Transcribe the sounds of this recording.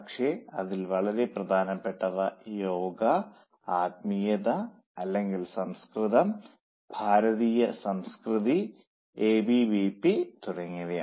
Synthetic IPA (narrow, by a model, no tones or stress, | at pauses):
kʂeɐðilʋɐɭɐɾe̞prɐd̪ʱaːnɐpːe̞ʈːɐʋɐjoːɡɐ | aːt̪̚mijɐðɐ | ɐlːe̞ŋɡilsɐmskriðɐm | bʱaːɾɐðiːjɐsɐmskriði | eːbiʋiːpːit̪uɽɐŋːiɣɐja